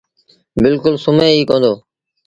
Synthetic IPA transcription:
bɪlkʊlsʊmẽːiːkõːnd̪oː

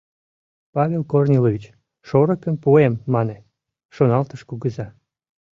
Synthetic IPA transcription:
pɑvʲelkornʲelovʲit͡ɕ | ʃoɾəkəmpuemːɑne | ʃonɑlt̪əʃkuɣəzɑ

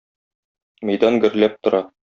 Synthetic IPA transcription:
mæ̆jd̪ɑnɡɘ̆ɾlæp̚t̪ŏɾɑ

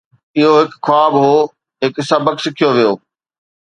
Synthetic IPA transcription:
ɪɦoɦɪkxwaːbɦoː | ɦɪkɪsabəksɪkʰijoʋijoː

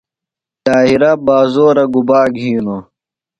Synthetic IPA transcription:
t̪aːɦiɾabaːzoːɾɐɡubaːɡʱiːno

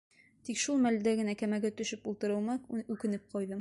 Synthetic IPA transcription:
t̪ikʃulˠmæld̪æɡɘ̆nækæmæɡæt̪ɵ̆ʃɘpulˠt̪ɤ̆ɾɤ̆lˠmɑʉkɘ̆nɘp̚qʰɒjðɤ

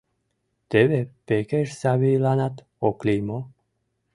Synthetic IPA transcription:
t̪eʋepekeɾsaβilanat̪ | oklʲimo

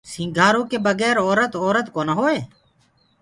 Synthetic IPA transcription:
sĩŋɡʱaːɾõːkeːbəɡɛːɾɔːɾət̪ɔːɾət̪koːnaɦoːeː

